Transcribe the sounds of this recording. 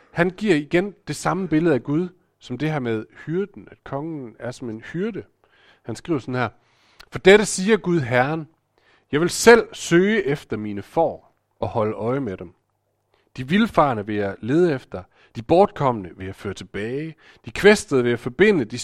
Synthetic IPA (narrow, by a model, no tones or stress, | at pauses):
hænɡ̥iɐiɡ̥end̥e̝sɑ̈məb̥e̝ləð̩ˠæɡ̥uð̞ˠ | sɒ̽md̥e̝hæɐ̰með̞ˠhyɐd̥n̩æd̥kʰɒ̽ŋənæɐsɒ̽me̝nhyɐd̥ə | hænsɡ̥ʁḭʊ̰ɐsɒ̽n̩hæɐ̰ | fɒ̽d̥eɾəsiːɐɡ̥uðˠɦæɐɐn | jɑ̈ɪʋe̝lsel̰søːɪəʔefd̥ɐminəfɒ̰ː | ɒ̽hɒ̽ləʔɒ̽ɪmed̥em | d̥iʋilfɑ̈ːnəʋejɑle̝ːð̞ˠefd̥ɐ | d̥ib̥ɒːd̥̚kʰɒ̽m̰ənəʋe̝æføːɐt͡sʰe̝b̥ɛːɪ | d̥ikʰʋesd̥əðˠʋe̝æfɒb̥e̝n̰əd̥i